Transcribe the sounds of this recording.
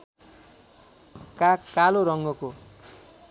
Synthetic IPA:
kakːaloɾʌŋɡʌko

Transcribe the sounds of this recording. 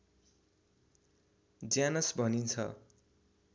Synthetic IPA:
d͡zjanʌsbʱʌnint͡sʰʌ̰

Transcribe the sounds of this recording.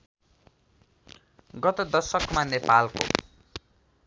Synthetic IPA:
ɡʌt̪ʌd̪ʌsʌkmanepalko̰

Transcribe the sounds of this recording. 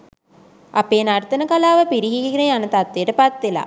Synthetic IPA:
apeːnaɾt̪ənəkalaːʋəpiɾiɦiɡineanət̪at̪ːejəʈəpat̪ʋela̰

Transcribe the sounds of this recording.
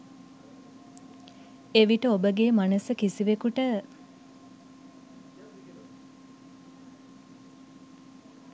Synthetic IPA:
eʋiʈəobəɡeːmanəsəkisiʋekuʈə

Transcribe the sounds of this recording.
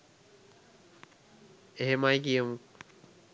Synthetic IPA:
eɦemajk̬ijəmu

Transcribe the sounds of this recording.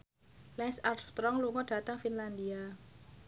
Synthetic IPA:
lɛnsarft̪ɾɔŋluŋɔɖ̥ä̤t̪aŋfinland̪ia

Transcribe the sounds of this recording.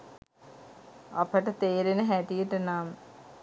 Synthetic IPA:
a̰pəʈət̪eːɾenəɦæʈijəʈənam

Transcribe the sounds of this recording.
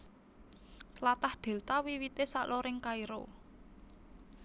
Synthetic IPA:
t̪lat̪ahd̪̥e̤lt̪awiwit̪esaʔloɾɪŋkaiɾo̰

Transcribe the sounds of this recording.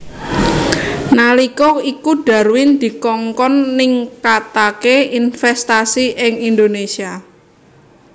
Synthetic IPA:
nalikɔikuɖ̥a̤ɾwɪnd̪̥i̤kɔŋkɔnːɪŋkat̪akeinfɛst̪asiʔɪŋind̪onesia

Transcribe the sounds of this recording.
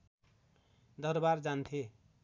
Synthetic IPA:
d̪ʌrbard͡zant̪ʰe

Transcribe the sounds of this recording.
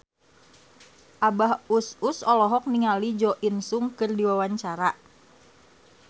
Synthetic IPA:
ʔabaɦususɔlɔɦɔk̚niŋalid͡ʒɔʔinsuŋkɨrdiwawaɲt͡ʃaɾa

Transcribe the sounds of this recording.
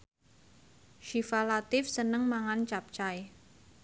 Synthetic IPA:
ʃifalat̪ɪfsənəŋmaŋant͡ʃap̚t͡ʃaj

